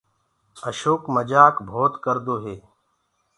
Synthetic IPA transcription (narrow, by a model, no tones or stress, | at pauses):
əʃoːkməd͡ʒaːkbʱoːt̪kəɾd̪oːɦeː